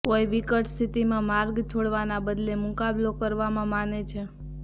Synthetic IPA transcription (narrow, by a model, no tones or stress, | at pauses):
koeʋikəʈst̪ʰit̪imãmaɾɡt͡ʃʰoɽʋanabəd̪lemʊkablokəɾʋamãmanet͡ʃʰe